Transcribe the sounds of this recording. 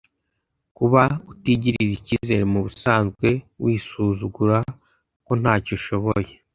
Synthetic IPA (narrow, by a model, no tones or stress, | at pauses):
kuβautiɟiɾiɾiciːze̞ɾemuβusaːnzɡwe̞wiːsuːzuɡuɾa | ko̞n̥haːcoʃo̞βoje̞